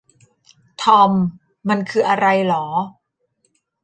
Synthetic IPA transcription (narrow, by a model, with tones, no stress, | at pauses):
t̪ʰɔ˧mː | a˧nkʰɯː˧ʔa˧ɾa˧jlɔː˩˦